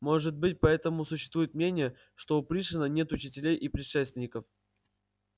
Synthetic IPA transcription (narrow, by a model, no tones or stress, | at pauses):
mo̞ʐɨt̪̚bɨt̚ʲpɐɛt̪əmʊsʊɕːɪ̥st̪vujɪt̪̚mnʲenʲɪjə | ʂt̪o̞ʊpɾʲiʂɨnənʲe̞t̪ʊt͡ɕɪtʲɪlʲejʔipɾʲɪʂɛst̪vʲɪnʲɪkəf